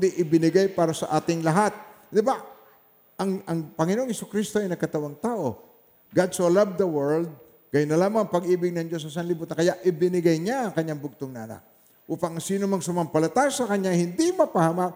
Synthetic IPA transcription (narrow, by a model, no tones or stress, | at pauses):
nd̪iʔɪbɪnɪɡajpaːɾɐsɐʔaːt̪ɪŋlɐɦat̪̚ | d̪ɪba | ʔɐŋɐŋpɐŋɪnoʔoŋhɛsokɾist̪oʔɐjnɐɡkɐt̪ɐwaŋt̪aːʔo̞ | ɡad̪solɐvd̪ɐwɛɹld̪̚ | kɐjʊnːɐlaːmaŋɐŋpɐɡʔiːbɪɡ̚nɐŋd͡ʒo̞s̬ɐsɐnlɪbuːt̪akɐjaʔʔɪbɪnɪɡajɲaʔɐŋkɐɲːaŋbʊɡ̚t̪oŋnɐʔɐ̰na̰k̚ | ʔuːpɐŋsiːnomɐŋsʊmɐmpɐlɐt̪ajsɐkɐɲːahɪnd̪imɐpɐhɐma